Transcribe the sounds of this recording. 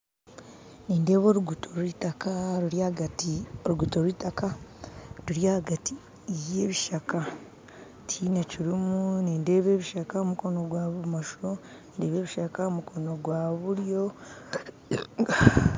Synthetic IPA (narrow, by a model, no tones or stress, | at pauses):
niːnde̞ːβo̞ːɾuɡutʰoɾwitakaɾuɾjahɡatioɾuɡutoɾwitaka | ɾuɾjahaɡati | je̞ːβiʃaka | tʰineciɾimuniːnde̞ːβe̞ːβiʃakaomuko̞noɡwaːβumaʃuɾo | nde̞ːβe̞ːβiʃakaomukʰo̞no̞ɡwaːβuɾjo̞